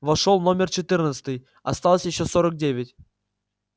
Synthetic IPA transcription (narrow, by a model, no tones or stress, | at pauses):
vɐʂolˠno̞mʲɪrt͡ɕɪt̪ɨrnət̪sə̥t̪ɨj | ɐst̪alˠəsʲjɪɕːo̞soɾək̚dʲevʲɪtʲ